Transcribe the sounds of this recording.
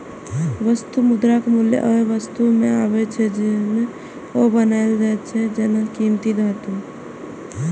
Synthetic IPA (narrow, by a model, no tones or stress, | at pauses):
ʋəst̪umud̪ɾakemuljḛʔəʋəst̪umeaβɛt͡ʃʰɛd͡ʒene | obənajld͡ʒat͡ʃʰɛd͡ʒenakimt̪id̪ʱat̪ũ